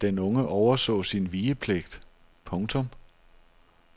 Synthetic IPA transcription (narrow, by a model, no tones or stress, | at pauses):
d̥enɔ̽ŋəʔɒʊɐsɔ̰̽ːsinʋiːəpʰleɡ̥d̥ | pʰɔ̽ŋt͡sʰɔ̽m